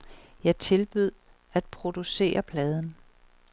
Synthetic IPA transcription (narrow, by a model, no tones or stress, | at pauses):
jɑ̈ɪt͡sʰe̝lb̥yð̞̰ˠ | æd̥̚pʰʁo̝d̥use̝̰ːɐpʰlɛːð̞ˠn̩